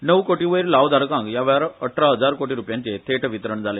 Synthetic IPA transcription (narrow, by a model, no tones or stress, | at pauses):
nəʋkoːʈiʋəjɾlaːʋd̪ʱaɾɐkãːŋɡjaʋaːɾɐəʈʰɾaɦəd͡zaːɾkoːʈiɾuːpjãnt͡ɕet̪ʰeːʈɐʋit̪ɾəɳd͡zaːle